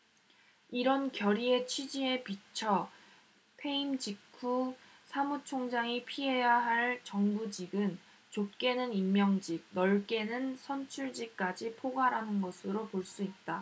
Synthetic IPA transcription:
iɾʌnkjʌɾie̞t͡ɕʰɥid͡ʑie̞pit͡ɕʰʌ | pʰe̞imd͡ʑikʰu | sʰamut͡ɕʰoŋd͡ʑaŋipʰiɦe̞jaɦaɭt͡ɕʌŋbud͡ʑiɡɯn | t͡ɕop̚k͈e̞nɯnimːjʌŋd͡ʑik̚nʌɭk͈e̞nɯnsʰʌnt͡ɕʰuɭd͡ʑik̚k͈ad͡ʑipʰoɡaɾanɯnɡʌsʰɯɾopoɭs͈uit̚t͈a

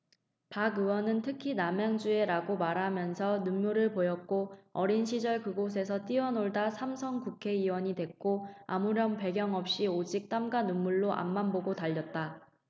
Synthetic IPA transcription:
paɡɯwʌnɯntʰɯkʰinamjaŋd͡ʑue̞ɾaɡomaɾɦamjʌnsʰʌnumːuɾɯɭpojʌk̚k͈oʌɾinɕʰid͡ʑʌɭkɯɡos̬ʰe̞sʰʌt͈iʌnoɭdasʰamsʰʌŋkukʰe̞iwʌɲidwe̞k̚k͈oamuɾʌnpe̞ɡjʌŋʌp̚ɕ͈iod͡ʑik̚t͈amɡanunːuɭːoʔa̰mːanboɡotaʎːʌt̚t͈a

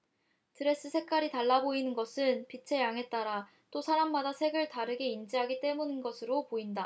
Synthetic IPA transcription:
tʰɯɾe̞s͈ɯsʰe̞k͈aɾitaɭːaboinɯnɡʌsʰɯnpit͡ɕʰe̞jaŋɦe̞t̚t͈aɾa | t͈osʰaɾamːadasʰe̞ɡɯɭtaɾɯɡe̞ind͡ʑiɦaɡit͈e̞munɯnɡʌsʰɯɾopoinda

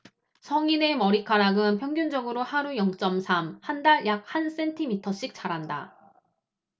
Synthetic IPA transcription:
sʰʌŋine̞mʌɾikʰaɾaɡɯnpʰjʌŋɡjund͡ʑʌɡɯɾohaɾujʌŋt͡ɕ͈ʌmsʰamhandaɭjak̚hans͈e̞ntʰimitʰʌɕ͈ik̚t͡ɕ͈aɾɦanda̰

